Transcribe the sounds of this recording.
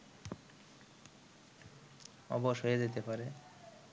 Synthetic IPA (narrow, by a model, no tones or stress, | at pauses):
ɔ̰boʃɦoed͡ʑet̪epaɾe